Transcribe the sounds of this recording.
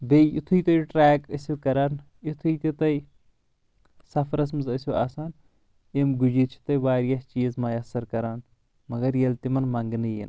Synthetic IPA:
bejḭt̪ʰujt̪ɐjuʈɾɛːkɐsukɐɾaːn | it̪ʰuit̪it̪ɐj | sɐfʰɾɐs̬mɨzɐsuaːsaːn | imɡud͡ʒit͡ʃʰi̥t̪ɐjʋaːɾijast͡ʃiːzmɐjɐsɐɾkɐɾaːn | mɐɡɐɾjɐlt̪imɐnmɐŋɡnɨjḭn

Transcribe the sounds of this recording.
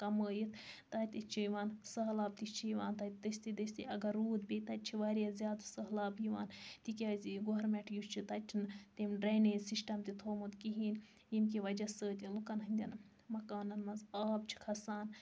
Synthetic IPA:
kɐməːjit̪ʰt̪ɐt̪ʲit͡ʃʰijʋaːnsɐɦlaːb̚t̪it͡ʃʰijʋaːnt̪ɐt̪d̪ɐsʲt̪id̪ɐsʲt̪ḭɐɡɐɾːuːd̪bit̪ɐt̪̚ʲt͡ʃʰiʋaːɾʲjazjaːd̪sɐɦlaːbjiʋa̰ːnt̪ikʲaːzʲiɡoɐɾmɛʈʰjust͡ʃʰit̪ɐt͡ʃʰint̪emɖɾeːneːsisʈɐmt̪it̪ʰoːmut̪kiɦiːn | jimkiʋɐd͡ʒɐsəːt̪ʲilukɐnɦɐnʲd̪ʲɐn | mɐkaːnɐnmɐnzaːb̚t͡ʃʰi̥kʰɐsaːn

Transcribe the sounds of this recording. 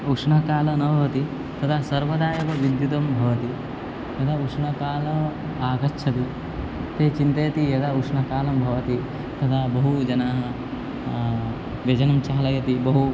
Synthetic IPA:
ukʂɳɐkaːlɐnɐbɐʋɐt̪i | t̪ɐt̪ʰaːsɐɾʋɐd̪aːjɐʋɐʋid̪jut̪ɐmbʱɐʋɐt̪i | j̪ɐt̪ʰaukʂɳɐkaːlɐ | aːkɐtːʃʰɐt̪i | t̪eːt͡ʃint̪ɐjɐt̪ijɐt̪ʰaukʂɳɐkaːlɐmbʱɐʋɐt̪i | t̪ɐt̪ʰaːbɐɦud͡ʒɐnaːɦɐ | ʋjɐd͡ʒɐnɐmt͡ʃaːlɐjɐt̪ibɐɦu

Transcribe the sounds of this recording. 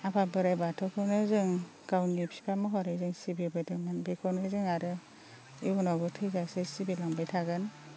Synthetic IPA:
apʰabɯɾajbatʰɔkʰɯnɯzɯŋ | kawnipʰi̥kʰamɯɦɔɾazɯŋsibibɯdɯmanbekʰɔnɯzɯŋaɾɯ | iunaɡɔtʰɯjzasesibilaŋbajtʰaɡɯn

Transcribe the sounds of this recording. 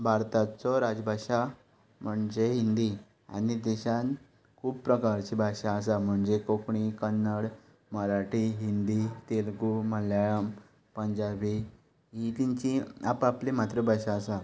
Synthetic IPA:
bʱaɾt̪at͡sɔɾad͡zbʱaɕa | m̤əɳd͡zeɦind̪i | a̰nid̪ɛɕan | kʰuːb̚pɾəkaɾt͡ɕibʱaɕaəsam̤əɳd͡zekokɳikənːəɽ | məɾaʈiɦind̪it̪elɡuməljajəm | pəɲd͡ʑabʱi | ɦit̪iɲt͡ɕiapaplemat̪ɾəbʱaɕaəsa

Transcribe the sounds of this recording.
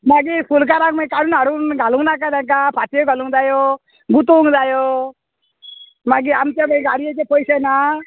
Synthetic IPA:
maɡipʰulk̬aɾaŋmãkaɽunaɾunɡʱaluŋnak̬ad̪ak̬apʰat̪ijeɡʱɔluŋd̪ajo | ɡut̪uŋd̪ajo | maɡiamt̪ebəɡaɾijet͡ʃepʰɔjsena

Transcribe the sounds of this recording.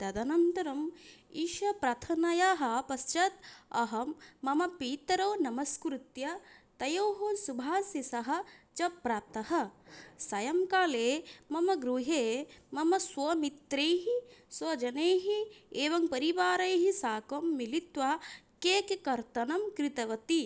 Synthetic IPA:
t̪ɐd̪ɐnɐnt̪ɐɾɐmiːʃɐpɾɐt̪ʰɐnɐjaːɦɐpɐst͡ʃɐt̪ɐɦɐmːɐmɐpiːt̪ɐɾoːnɐmɐskɾut̪jɐt̪ɐjoːɦosubʱaːsɐsɐɦɐ̆t͡ʃɐpɾat̪ɐɦɐsɐjɐmkaːleːmɐmɐɡɾuɦeːmɐmɐsʋɐmit̪ɾeːɦisʋɐd͡ʒɐneːɦieːʋɐŋpɐɾiʋaːɾɐjɦisaːkɐmːilit̪ʋa | keːkekɐɾt̪ɐnɐmkɾit̪ɐʋɐt̪i

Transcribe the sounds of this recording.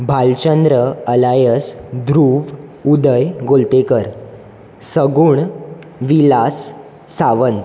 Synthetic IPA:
bʱalt͡ɕənd̪ɾəəlajəsd̪ɾuːʋud̪əjɡolt̪ekəɾ | səɡuːɳ | ʋilasː | aʋənt̪

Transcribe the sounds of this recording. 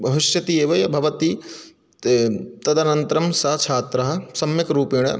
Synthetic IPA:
bʱɐʋɪʃjɐt̪ieːʋɐjɐbʱɐʋɐt̪i | t̪ɐd̪ɐnɐnt̪ɾɐmsɐɐt͡ʃʰaːt̪ɾɐɦɐ̆sɐmjɪkɾuːpiːɽ̃ɐ̰

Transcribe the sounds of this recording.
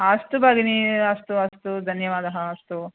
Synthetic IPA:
aːst̪ubaːɡiniɐst̪uɐst̪ud̪ʱɐnjɐʋaːd̪ɐɦɐɐst̪u

